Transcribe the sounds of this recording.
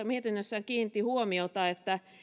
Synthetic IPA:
miet̪inːøsːæŋkiːn̆t̪ːihuomiot̪ɑet̪ːæ

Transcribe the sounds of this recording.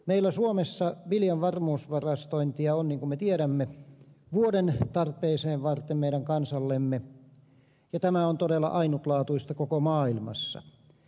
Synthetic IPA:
meilːˑæsuomesːɑʋiljɑʋʋɑrmuːsʋɑrɑst̪oint̪iɑonniːŋkumet̪ieɾæmːeʋuodent̪ɑrpˑeːseːʋʋɑrt̪ːˑemmeiɾæŋkɑnsɑlːemːe | jɑt̪æmæont̪odelːˑɑ̰ʔɑinut̪lɑːt̪uist̪ɑkokomɑːilmɑ̰sːɑ̰

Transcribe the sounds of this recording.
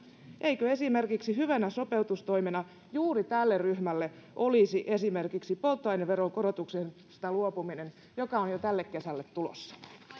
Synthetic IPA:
ʔeikøe̞sime̞rkiksihyʋænæso̞pe̞ut̪ust̪o̞imenɑ | juːrit̪ælːerryhmælːeʔo̞lisiʔe̞sime̞rkiksipolt̪ːoɑjneʋʋeɾoŋkoɾot̪uksen | st̪ɑluopuminen | jokɑonjot̪ælːekkːe̞sælːet̪t̪ulo̰sːɑ̥

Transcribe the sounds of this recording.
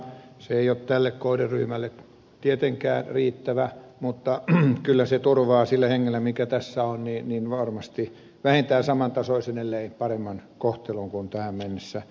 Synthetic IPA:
seeiott̪ælːekkoiderryhmælːe | t̪iet̪eŋkæ̰ːnriːt̪ːæʋæmut̪ːɑkylːæset̪urʋɑːsilːæheŋːelːæmikæt̪æsːæonnininʋɑrmɑst̪i | ʋæhent̪æːsɑmɑnt̪ɑsoisenelːeipɑremːɑnkoht̪eluŋkunt̪æhæmmenːesːæ

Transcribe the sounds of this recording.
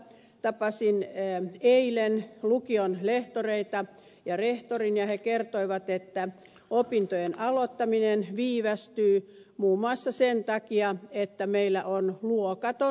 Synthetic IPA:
t̪ɑpɑsinː | eilenlukionleht̪oreit̪ɑ | jɑreht̪orinjɑhekert̪oiʋɑt̪et̪ːæ | opint̪ojenɑlot̪ːɑminenʋiːʋæst̪yːmuːmoɑˑsːɑsent̪ɑkiɑet̪ːæmeilːæʔonluokɑt̪o

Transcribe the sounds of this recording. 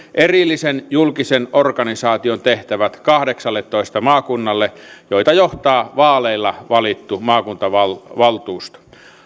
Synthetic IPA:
ʔerilːisenjulkisenorkɑnisɑːt̪iont̪eht̪æʋæt̪kɑhdeksɑlːet̪ːoist̪ɑmɑːkunːɑlːejoit̪ɑjoht̪ɑːʋɑːleilːɑʋɑlit̪ːumɑːkunt̪ɑʋɑlʋɑlt̪uːst̪

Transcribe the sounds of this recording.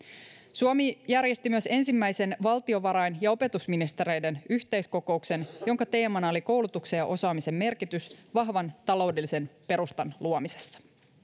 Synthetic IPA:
suomijærje̞st̪imyøse̞nsimːæjse̞nʋɑlt̪io̞ʋɑɾɑjnjɑo̞pe̞t̪usminist̪e̞ɾe̞jde̞nyçt̪e̞jsko̞ko̞ukse̞njo̞ŋkɑt̪e̞ːmɑnɑo̞liko̞wlut̪uksejɑʔo̞sɑːmise̞mːe̞rkit̪ysʋɑɦʋɑnt̪ɑlo̞wde̞lːise̞npe̞ɾust̪ɑnluomise̞̥sːɑ̥

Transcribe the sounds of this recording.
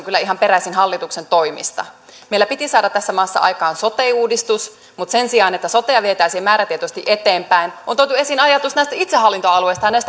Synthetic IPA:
ŋkylːæiɦɑmpeɾæsinɦɑlːit̪uksent̪o̞imḭst̪ɑ̰ | meilæpit̪isɑːdɑt̪ːæsːæmɑːsːɑ̰ʔɑ̰jkɑːnsot̪eiuːdist̪us | mut̪se̞nsiɑːnet̪ːæsot̪ejɑʋiet̪æːsiemæːɾæt̪iet̪ost̪iʔet̪eːmpæinʔont̪oit̪ue̞sinɑjɑt̪usnæist̪æit̪seɦɑlːint̪oɑlueist̪ɑjɑnæist̪

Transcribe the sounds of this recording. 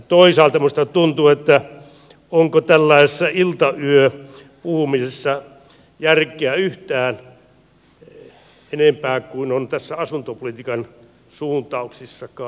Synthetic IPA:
t̪oisɑːlt̪ɑmust̪ɑt̪unt̪uet̪ːæ | oŋkot̪ælːɑisesːɑilt̪ɑyø | puhumisesːɑ | jærkeæyht̪æːn | enempæːkuinont̪æsːæɑsunt̪opolit̪ikɑn | suːnt̪ˑɑuksisːɑkɑː

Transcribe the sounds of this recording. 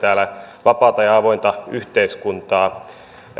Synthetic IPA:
t̪æːlæʋɑpɑˑut̪ɑjɑɑʋoint̪ɑyht̪eiskunt̪ɑː

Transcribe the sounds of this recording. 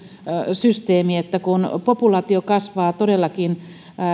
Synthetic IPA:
syst̪eːmiet̪ːækunpopulɑːt̪iokɑsʋɑːt̪odelːɑkin

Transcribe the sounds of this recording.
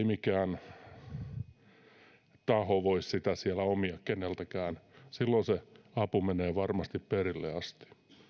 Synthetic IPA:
imikæːn | t̪ɑhoʋoissit̪æsiælæomiɑkenelt̪ækæːnsilːonseɑpumeneːʋɑrmɑst̪ipperilːḛɑst̪i̥

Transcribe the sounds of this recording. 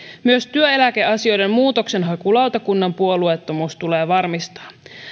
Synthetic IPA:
myøst̪yøe̞læk̟e̞ɑsio̞jde̞mmuːt̪o̞kse̞nɦɑkulɑwt̪ɑkunːɑmpuo̞luet̪ːomuːst̪uleːʋɑrmist̪ɑ̥ː

